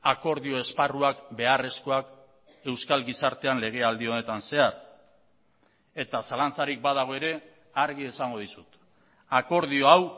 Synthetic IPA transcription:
ako̞ɾðio̞e̞sparuakbe̞are̞sko̞ak | e̞wskalɡisaɾt̪e̞anle̞ɣ̞e̞ald̪io̞ne̞t̪anse̞aɾ | e̞t̪asalant͡saɾik̚baðaɣ̞o̞e̞ɾe̞ | aɾɣ̞ie̞saŋɡo̞ðisut̪ | ako̞ɾð̞io̞aw

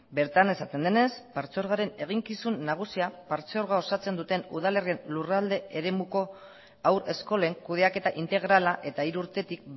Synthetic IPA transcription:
be̞ɾt̪ane̞sat̪e̞nd̪e̞ne̞spaɾt͡seo̞ɾɣaɾe̞ne̞ɣ̞iŋkisunːaɣ̞usiapaɾt͡seo̞ɾɣao̞sat͡se̞nd̪ut̪e̞nṵð̞ale̞rie̞nlurald̪e̞eɾe̞muko̞ | awɾe̞sko̞le̞ŋkuð̞e̞ake̞t̪aʔint̪e̞ɣ̞ɾalaʔe̞t̪aiɾuɾt̪e̞t̪ik̚

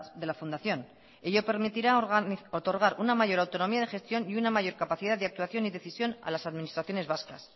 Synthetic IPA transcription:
ðe̞lafund̪aθjo̞n | e̞ʝo̞pe̞ɾmit̪iɾaot̪o̞ɾɣ̞aɾunamaʝo̞ɾawt̪o̞no̞miað̞exe̞st̪jo̞niunamaʝo̞ɾkapaθið̞aððe̞akt̪waθjo̞niðe̞θisjo̞na̰lasaðminist̪ɾaθjo̞ne̞zβaska̰s

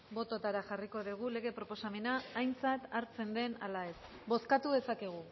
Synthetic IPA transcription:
bo̞t̪o̞t̪aɾaʝariko̞ðiɣ̞ule̞ɣ̞e̞pɾo̞po̞same̞naːjnt͡sat̪aɾt͡se̞nd̪e̞na̰lae̞s | bo̞skat̪uðe̞sakeɣ̞u

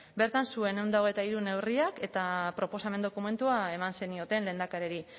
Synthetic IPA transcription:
be̞ɾt̪ansue̞ne̞wnd̪aoɣ̞ejt̪aiɾune̞wriake̞t̪apɾo̞po̞same̞nd̪o̞kume̞nt̪uae̞manse̞nio̞t̪e̞ːnle̞ːnd̪akaɾeɾi

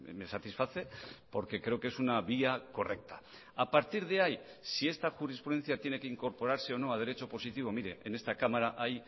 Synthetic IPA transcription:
mesat̪isfaθe̞po̞ɾke̞kɾe̞oke̞sunaβiako̞re̞k̚t̪ḁ | apaɾt̪iɾð̞e̞aj | sie̞st̪axuɾispɾuðe̞nθjat̪je̞ne̞keiŋko̞ɾpo̞ɾaɾse̞o̞no̞að̞e̞ɾe̞t͡ʃo̞po̞sit̪iβo̞miɾe̞ʔenest̪akamaɾaʔaj

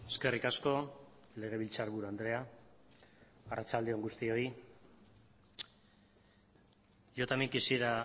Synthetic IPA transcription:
e̞ske̞rikasko̞ | le̞ɣ̞e̞β̞ilt͡saɾβuɾuand̪ɾe̞a | arat͡ʃald̪eo̞ŋɡust̪io̞i | jo̞t̪amiŋkisiɾa

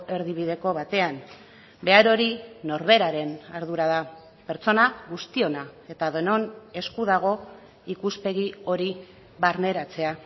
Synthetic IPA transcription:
e̞ɾðiβ̞iðe̞ko̞β̞at̪e̞am | be̞aɾo̞ɾino̞ɾβe̞ɾaɾe̞naɾðuɾað̞a | pe̞ɾt͡so̞naɣust̪io̞nae̞t̪aðono̞ne̞skuð̞aɣ̞o̞ | ikuspe̞ɣ̞io̞ɾi | βaɾne̞ɾat͡se̞a

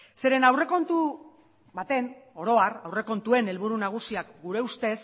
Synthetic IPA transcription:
se̞ɾe̞nawre̞ko̞nt̪u | βat̪e̞no̞ɾo̞arawre̞ko̞nt̪ue̞ne̞lβuɾunaɣ̞usiak̚ɡuɾe̞ust̪e̞s

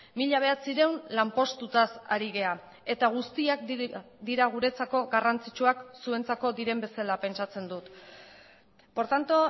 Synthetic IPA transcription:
miʎaβ̞e̞at͡siɾe̞wnlampo̞st̪ut̪asa̰ɾiɣe̞a | e̞t̪aɣ̞ust̪iak | d̪iɾaɣ̞uɾe̞t͡sako̞ɣarant͡sit͡ʃuaksue̞nt͡sako̞d̪iɾe̞mbe̞salape̞nt͡ʃat͡se̞nd̪ut̪ | po̞ɾt̪ant̪o

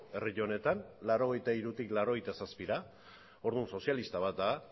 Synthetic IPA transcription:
e̞riʎone̞t̪anlaɾo̞ɣ̞e̞jt̪aiɾut̪iklawɾo̞ɣ̞ejt̪asaspiɾa | o̞ɾðunso̞sjalist̪aβ̞at̪̚d̪a

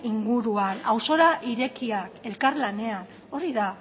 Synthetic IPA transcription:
iŋɡuɾuanawso̞ɾaʔiɾe̞kiake̞lkaɾlane̞an | o̞ɾiða

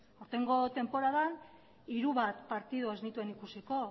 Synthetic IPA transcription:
oɾt̪e̞ŋɡo̞t̪e̞mpo̞ɾaðan | iɾuβat̪paɾt̪ið̞oe̞znit̪ue̞nikusiko̞

